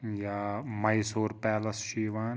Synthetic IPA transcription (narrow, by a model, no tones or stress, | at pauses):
jaːmɐisoːɾpɛːlɐsʃiːʋaːn